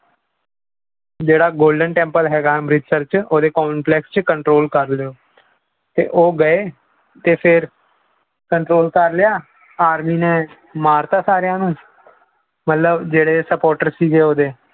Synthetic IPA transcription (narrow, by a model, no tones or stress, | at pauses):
d͡ʒeːɽaːɡoːlɖənʈɛ̃ːmpəlɦɛːɡaːmɾɪsəɾt͡ʃoːd̪eːkɔːmplɛːkst͡ʃkəɳʈɾoːlkəɾlɪjoː | t̪ḛːʔoːɡəeː | t̪eːpʰɪɾ | kəɳʈɾoːlkəɾlɪjaː | aːɾmiːnẽː | maːɾt̪aːsaːɾjãːnũː | mət̪ləbd͡ʒeːɽeːsəpoːɾʈəɾsiːd͡ʒeːoːd̪eː